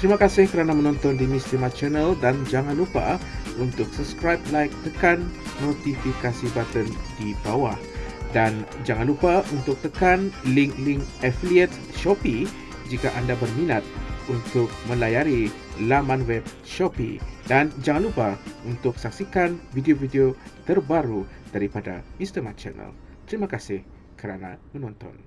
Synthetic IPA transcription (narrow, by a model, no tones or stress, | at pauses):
t̪əɾimakasɪhkəɾanamə̃nɔ̃nt̪ɔndimist̪imat͡ʃənaldand͡ʒaŋãnlupa̰unt̪ʊk̚səpskɾajblajk̚t̪əkanːot̪ifikasibat̪əndibawahdand͡ʒaŋanlupaunt̪ʊk̚t̪əkanliŋkliŋɛfliɛt̪̚ | ʃɔpi | d͡ʒikaʔandabərminat̪̚unt̪ʊk̚mə̃lajaɾi | lamãnwɛb̚ | ʃɔpḭdand͡ʒaŋanlupaunt̪ʊk̚sak̚sikanvidiovideot̪ərbaɾud̥aɾipada̰inst̪əmat͡ʃə̰nə̰l | t̪əɾimakasɪh | kəɾana̰mənɔnt̪ɔ̰n